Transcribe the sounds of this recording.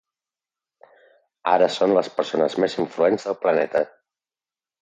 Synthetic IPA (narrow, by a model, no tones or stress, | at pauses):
a̰ɾəsonləspəɾsonəzmeziɱfluenzðəlˠplənɛt̪ə